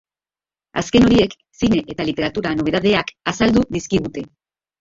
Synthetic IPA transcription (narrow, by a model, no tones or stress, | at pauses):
a̰ske̞no̞ɾie̞k | sine̞ʔet̪alit̪e̞ɾat̪uɾano̞βe̞ðaðe̞akasald̪uðiskiɣut̪e̞